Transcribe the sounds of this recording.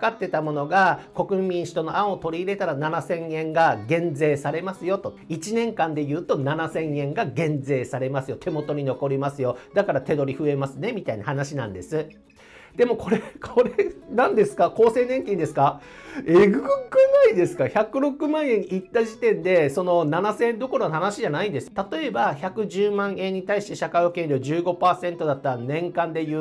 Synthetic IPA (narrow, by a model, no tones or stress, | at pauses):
kat̪ːe̞t̪amo̞no̞ɡako̞kɯ̟mʲĩɰ̃ɕi̥t̪o̞noaot̪o̞ɾʲiːɾe̞t̪aɾananasẽ̞ɰẽ̞ŋɡaɡẽ̞nd͡ze̞ːsaɾe̞masɨjo̞t̪o̞ | it͡ɕinẽ̞ŋkãnd̪e̞jɯːt̪o̞nanasẽ̞ɰẽ̞ŋɡaɡẽ̞nd͡ze̞ːsaɾe̞masɨjo̞t̪ʰe̞mo̞t̪o̞ɲ̟ino̞ko̞ɾʲimasɨjo̞d̪akaɾat̪e̞d̪o̞ɾʲiɸɯ̟e̞masɨne̞mʲit̪ainahanaɕinã̰nd̪e̞sɨ | d̪e̞mo̞kʰo̞ɾe̞kʰo̞ɾe̞nãnd̪e̞sɨ̥kako̞ːse̞ːnẽ̞ŋkʲĩnd̪e̞sɨ̥kaeɡɯ̟ɯɡɯnaid̪e̞sɨ̥kaçakɯ̟ɾo̞kɯ̟mãɰ̃ẽ̞ɲ̟it̪ːaʑit̪ẽ̞nd̪e̞so̞no̞nanasẽ̞nd̪o̞ko̞ɾo̞nohanaɕiʑanaĩnd̪e̞sɨ̥t̪at̪o̞e̞baçakɯ̟ʑɨːmãɰ̃ẽ̞ɲ̟ːit̪aiɕi̥t̪e̞ɕakaio̞kẽnʲɾʲoːʑɨːɡo̞paːsẽ̞nt̪o̞d̪at̪ːaɾanẽ̞ŋkãnd̪e̞jɯː